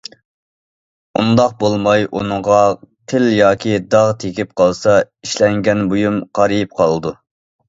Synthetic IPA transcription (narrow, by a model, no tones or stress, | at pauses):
ṵnd̪ɑq̚bolˠmɑjʔṵnɨʁɑqʰɪljɑːkʲʰid̪ɑʁt̪ʰekʲʰip̚qʰɑlˠsɑ | iʃlɛŋɡʲɛnbojumqʰɑɾɨjip̚qʰɑlˠɨd̪u